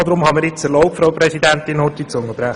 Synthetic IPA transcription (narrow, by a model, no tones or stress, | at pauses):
d̪ɾʊmhɑməɾjɪt͡səlɔʊpfɾaʊpɾɛsid̪ænt̪ɪnhɔtit͡sʊŋːəb̥ɾæχ